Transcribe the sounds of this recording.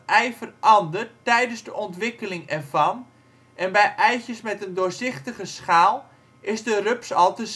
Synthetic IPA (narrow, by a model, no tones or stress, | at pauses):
ʔɛjfərʔɑndərttɛjdənzdəʔɔntʋɪkəlɪŋɛrvɑn | ʔɛnbɛjʔɛjsjəsmɛtəndʊːrzɪxtəɣəsχaːlˠ | ʔɪzdərøpsɑlˠtəs